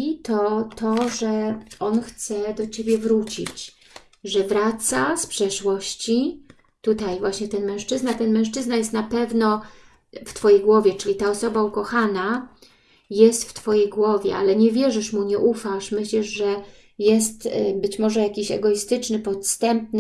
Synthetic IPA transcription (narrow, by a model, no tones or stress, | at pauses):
it̪ɔt̪ʰɔʐɛɔnxt̪sɛd̪ɔt͡ɕebʲjɛvɾut͡ɕḭt͡ɕ | ʐɛvɾat̪saspʂɛʂwɔɕt͡ɕi | t̪ut̪ajvwaɕɲɛt̪ɛnmɛ̃w̃ʂt͡ʂɘznat̪ɛnmɛ̃w̃ʂt͡ʂɘznajɛst̪napɛvnɔ | ft̪fɔjejɡwɔvʲjɛt͡ʂɘlʲit̪aɔsɔbaukɔxana | jɛst̪ft̪fɔjejɡwɔvʲjɛ̰ʔalɛɲɛvʲjɛʐɘʂmuɲɛʔufaʂmɘɕlɛʂʐɛ | jɛst̪bɘt͡ɕmɔʐɛjakʲiɕɛ̰ɡɔist̪ɘt͡ʂnɘpɔt̪st̪ɛmp̚n